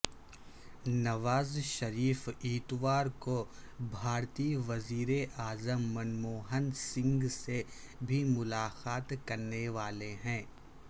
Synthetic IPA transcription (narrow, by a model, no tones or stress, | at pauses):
nɐʋaːzʃɐɾiːfiːt̪ʋaːɾkobʱaːɾt̪iʋɐziːɾeʔaːzəmːɐnmoːɦənsɪ̃ŋɡse | bʱimʊlaːxaːt̪kɐɾneʋaːleɦɛ̃ː